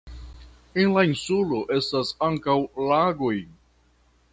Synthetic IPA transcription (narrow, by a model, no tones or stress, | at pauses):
e̞nlainsulo̞ʔe̞stasaŋkawlaɡo̞j